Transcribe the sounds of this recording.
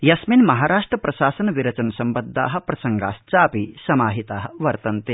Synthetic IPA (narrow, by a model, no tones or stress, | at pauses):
jɐsminmɐɦaːɾaːʂʈɾɐpɾɐʃaːsɐnɐʋiɾɐt͡ʃɐnɐsɐmbɐd̪ʱːa̰ːɦɐ̆pɾɐsɐŋɡa̰ːst͡ʃaːpisɐmaːɦit̪aːɦɐ̆ʋɐɾt̪ɐnt̪e